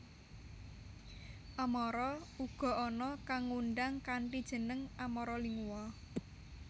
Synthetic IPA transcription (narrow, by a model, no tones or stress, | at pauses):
ʔamɔɾɔuɡ̥ɔ̤ʔɔnɔkaŋuɳɖaŋkaɳʈid̥ʒ̥ə̤nəŋamɔɾɔliŋuwɔ